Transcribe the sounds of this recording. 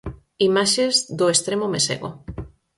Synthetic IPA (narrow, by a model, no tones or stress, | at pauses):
imaʃezðʊest̪ɾemomesḛɣo̰